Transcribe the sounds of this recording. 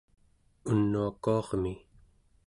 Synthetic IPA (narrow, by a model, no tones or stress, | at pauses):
unːuakuɑʁmi